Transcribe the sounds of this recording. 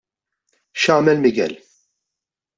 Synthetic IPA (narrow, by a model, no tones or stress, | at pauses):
ʃɐːmɛlmɪɡɛ̰l